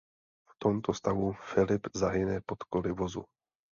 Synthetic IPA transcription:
ft̪omt̪ost̪avufɪlɪpzaɦɪnɛpo̞t̪kolɪvozṵ

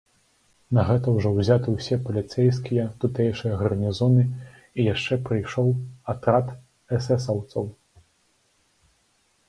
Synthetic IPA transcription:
nɐɣɛt̪ɐwʐɔwzʲat̪ɨwsʲɛpɐlʲit̪sɛjskʲijɐt̪ut̪ɛjʂɨjɐɣɐrnʲizɔnɨ | ijaʂt͡ʂɛpɾɨjʂɔwat̪ɾat̪ | ɛsɛs̬ɐwt̪sɐw

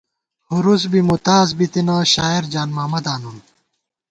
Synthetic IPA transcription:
huɾusbimut̪aːzbit̪inɐɕaːiɾd͡ʑaːnmaːmɐd̪aːnun

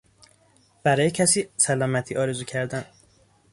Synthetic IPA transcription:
b̥æɾɒːjecʰæsiːsælɒːmæt̪ʰiːʔɒːɾezuːcʰæɾd̪æn

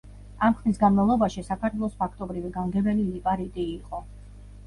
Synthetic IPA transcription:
amχlis̬ɡanmalˠɔbaʃisakʰaɾt̪ʰwɛlˠɔspʰakʰt̪ʼɔbɾiviɡaŋɡɛbɛlilipʼaɾit̪ʼiːqʼɔ

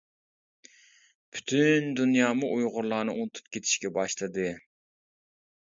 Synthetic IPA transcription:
pʰy̥t̪ʰynd̪unjɑːmuʔujʁʊɾlˠɑːnɨʔunɨt̪ʰu̥p̚kʲʰet̪ʰɪ̥ʃkʲɛbɑʃlˠɨd̪ɨ

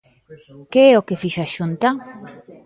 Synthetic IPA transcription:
keɛokefiʃaʃunt̪a

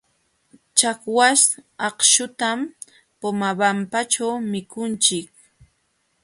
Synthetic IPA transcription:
t͡ʃakwasɑqʃʊt̪am | pomabampat͡ʃawmɪkʊnt͡ʃɪk̚

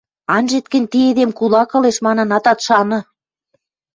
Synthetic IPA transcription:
ɑnʒet̪̚kə̆nʲt̪ied̪emkulɑkɤ̆leʃmɑnɤ̆nɑt̪ɑt̪ʃɑnɤ̆

